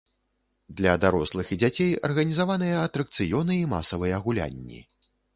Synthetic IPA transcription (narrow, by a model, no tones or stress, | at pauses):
d̪lʲɐd̪aɾɔslˠɨxid͡zʲat͡sʲejɐ̰rɣɐnʲizavanɨjɐɐt̪ɾɐk̚t̪sɨjɔnɨima̰sɐvɨjɛːɣulʲa̰nʲːḭ